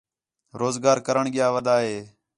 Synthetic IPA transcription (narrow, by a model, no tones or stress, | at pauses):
ɾoːzɡaːɾkəɾəɳɡɪjaːʋəd̪aːɦeː